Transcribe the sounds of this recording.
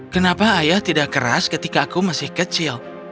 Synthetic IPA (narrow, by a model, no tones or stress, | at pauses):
kənapaːjaht̪idakəɾa̰skət̪ikaːkumasɪhkət͡ʃɪl